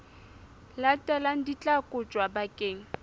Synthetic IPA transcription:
latʼɛlaŋ̩dit͡ɬʼakʼʊt͡ʃʼwabakʼeːŋ̩

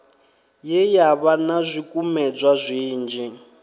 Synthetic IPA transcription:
jɛjaβanazʷikʼumɛd͡zʷwazʷiːnd͡ʒɛ

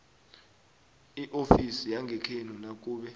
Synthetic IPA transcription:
iʔofisijaŋɡʱɛkʰenɔnak̬ʼuːɓɛ

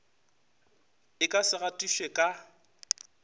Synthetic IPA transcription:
ɪkʼasɪɣatʼiʃwekʼa

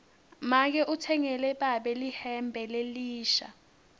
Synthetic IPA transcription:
mak̬ɛʔutʰɛŋɛlɛɓaɓɛlihɛmbʱɛleliːʃa̰

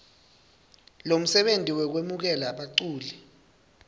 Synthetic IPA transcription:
lom̩sɛɓentʼiwɛk̬wemuk̬ɛlaɓaǀuːlɛ

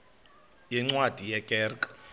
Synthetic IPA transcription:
jiŋ͡ǀwad̥ʱijɛkʼɛːrkʼḁ

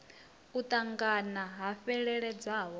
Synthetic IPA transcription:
ut̪ʼaŋɡanaɦafɛɺɛɺɛd͡zaːɦɔ

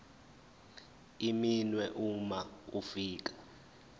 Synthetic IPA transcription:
iminwɛʔumaufiːk̬ḁ

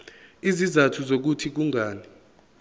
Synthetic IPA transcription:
izizatʰuzok̬utʰik̬uŋʱaːni

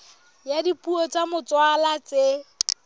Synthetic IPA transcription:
jadipʼuɔt͡sʼamʊt͡sʼwalat͡se

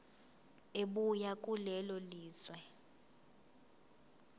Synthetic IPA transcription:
eɓujakʼulɛlɔliːswɛ

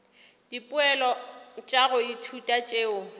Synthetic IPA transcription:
d̥ipʼʊɛlɔt͡ʃʼaɣʊitʰutʼat͡ʃʼeːʊ

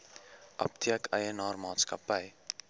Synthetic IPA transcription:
ʔɐ̰p̚t̪ʰiəkɐjənɑːrmɑːt̪skɐpɐj

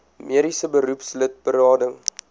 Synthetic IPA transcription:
miəɾisəbəɾupslət̚bəɾɑːdəŋ

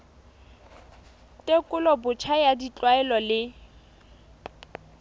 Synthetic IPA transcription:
tʼekʼʊlɔbʊt͡ʃʰajadit͡ɬʼwaɛlɔlɪ

